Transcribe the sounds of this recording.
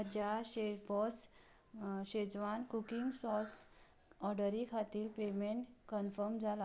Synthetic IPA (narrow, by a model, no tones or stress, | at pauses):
əd͡ʑaɕebɔs | ɕed͡zʋankukiŋɡsɔs | ɔɾɖəɾikʰat̪iːlpemeɳʈkənfəɾmd͡zʱala